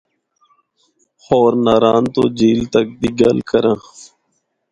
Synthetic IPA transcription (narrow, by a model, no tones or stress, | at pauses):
xoːɾnaːɾaːnt̪oːd͡ʒiːlt̪ək̚d̪iːɡəlkəɾãː